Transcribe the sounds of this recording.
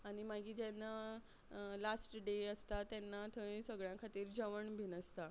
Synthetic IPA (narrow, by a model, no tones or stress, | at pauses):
aɽ̃imaɡiːd͡ʑɛnːa | lasʈɖeəst̪at̪jɛnːat̪ʰəĩsəɡɭjãkʰat̪iːɾd͡ʑəʋəɳbʱinəst̪a